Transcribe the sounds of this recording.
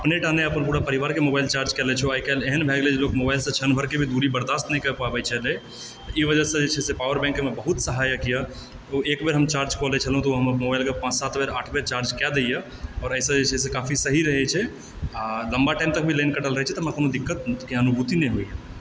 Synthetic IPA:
əpneʈaneəpənpuːɽapəɾiʋaɾkemobajlt͡ʃaɾd͡ʒkɛlɛt͡ʃʰoəikɛleɦənbʱɛɡled͡ʒelokmobaɪlsə̃t͡ʃʰənbʱəɾkebʱid̪uɾibəɾd̪ast̪nɛjkəpabɛt͡ʃʰɛle | t̪ɔʔiʋəd͡ʒəsə̃d͡ʒet͡ʃʰɛsepaʋəɾbɛ̃ŋkmebəɦut̪səɦajəkija | oekbeɾɦəmt͡ʃaɾd͡ʒkɔlɛt͡ʃʰəlɦũt̪ɔoɦəmmobaɪlkepãt͡ʃsat̪beɾaʈʰbeɾt͡ʃaɾd͡ʒkad̪ejə | ɔːɾəɪsə̃d͡ʒet͡ʃʰɛs̬ekapʰisəɦiɾəɦɛt͡ʃʰɛ | aləmbaʈɛ̃ɪmt̪ək̚bʱilenkəʈəlɾəɦɛt͡ʃʰɛt̪ɔməɾkonod̪ikːət̪keənubʱut̪inɛɦoijə

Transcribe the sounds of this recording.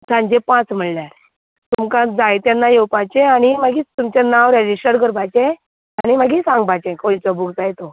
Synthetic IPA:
tʰãɲd͡ʑepãt͡sm̤əɭljaɾ | t̪umkãd͡zajt̪janːajewpajt͡ɕeañimaɡiːt̪umt͡ɕanaʋɾed͡ʑisʈəɾkəɾbʱajt͡ɕẽ | añimaɡisãŋɡbat͡ɕẽkoit͡sɔbuɡd͡zajt̪o

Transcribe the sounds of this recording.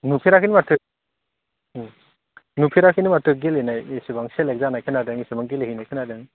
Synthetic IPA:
nupʰiɾakʰinimatʰɯ | nupʰiɾakʰinimatʰɯɡelenajisibaŋselek̚zanajkʰɯnadeŋisibaŋɡeleɦijnajkʰɯnadeŋ

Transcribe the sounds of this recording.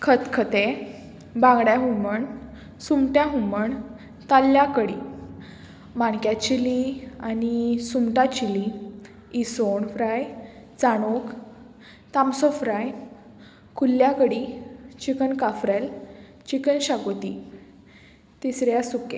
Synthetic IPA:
kʰət̪kʰət̪e | bãŋɡɽjaɦuməɳ | sumʈjaɦuməɳ | t̪alːjakəɽi | maɳkjat͡ɕilianisumʈat͡ɕiliː | soɳfɾajt͡saɽ̃ok | t̪amsɔfɾaj | kulːjakəɽit͡ɕikənkafɾɛl | t͡ɕikənɕaɡot̪i | t̪isɾjasukẽ

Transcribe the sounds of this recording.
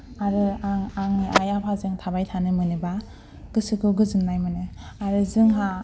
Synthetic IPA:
aɾɯaŋaŋniʔa̰japʰazɯŋtʰabajtʰanɯmɯnɯba | ɡ̥ɯsɯkʰɯɡɯzɯmnajmɯnɯaɾɯzɯŋɦa

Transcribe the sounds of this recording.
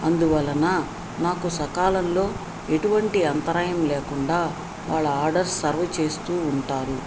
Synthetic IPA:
ɐnd̪uʋɐlːɐna | naːkusɐkaːlɐnlo̞ː | e̞ʈuʋɐɳʈiɐnt̪ɐɾaːjɐmleːkuɳɖaː | ʋaːɭːɐaːɾɖɐɾsɐɾʋɐt͡ʃe̞ːst̪uːɳʈaːɾu

